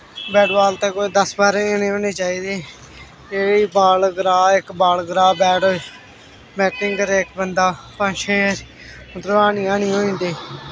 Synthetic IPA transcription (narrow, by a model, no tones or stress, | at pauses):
bɛːɖʋaːlt̪ẽːkoːiːd̪əsbaːɾeːoːnẽːɦoːneːt͡ʃaːiːd̪eː | eːiːbaːlɡɾaːɪkbaːlɡɾaːbɛːɽoːe | bɛːʈɪ̃ŋɡkəɾeːɪkbənd̪aː | pãːʃʰeː | t̪ɾəaːniːãːñiːɦoːĩːnd̪eː